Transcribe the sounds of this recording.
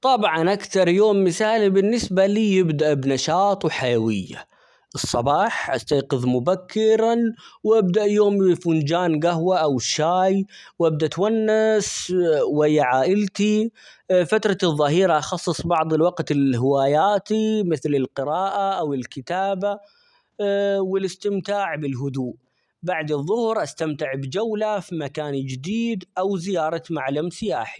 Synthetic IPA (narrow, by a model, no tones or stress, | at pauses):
t̪ˤɑbʕɑnʔakθɑɾˤjoːmːɪθaːlibɪnːɪsbaliːjɪbd̪aʔbnɑʃɑːt̪ˤwħajawɪjːa̰ | ʔɨsˤːɑbɑːħʔa̰st̪aːqɨðmʊbakʰːɪɾanwʔabd̪aʔjoːmfund͡ʒaːnɡaɦwaʔawʃːaːjwʔab̚d̪aʔt̪wanːaswajːaʕaːʔɪlt̪i | fat̪ɾˤɑðˤːɑɦiːɾɑʔɑxɑsˤːɨsˤbɑʕd̪ˤɪlwɑqt̪ɪlɦɪwaːjaːt̪imɪθlɪlqɨɾɑːʔaʔawɪlkɪt̪aːba | wɪlɪst̪ɪmt̪aːʕbɪlɦʊd̪uːʔ | baʕd̪ɨðˤːʊhɾʔast̪amt̪ɪʕbd͡ʒawlafimakaːnd͡ʒɪd̪iːd̪ʔawzɪjɑːɾˤɑmaʕlamsɪjaːħi